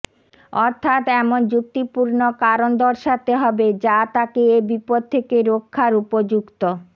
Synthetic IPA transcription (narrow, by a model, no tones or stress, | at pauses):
ɔɾt̪ʰat̪ɛmond͡ʑuk̚t̪ipuɾnokaɾond̪ɔɾʃat̪eɦɔbed͡ʑat̪akeebipod̪̚t̪ʰːekeɾokʰːaɾupod͡ʑukt̪o